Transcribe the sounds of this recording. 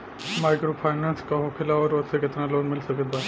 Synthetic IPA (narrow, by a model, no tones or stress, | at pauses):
maːɪkɾopʰaːɪnãːnskaɦoːkʰɪlaɔːɾʋosekɪt̪naloːnmɪlsɐket̪ba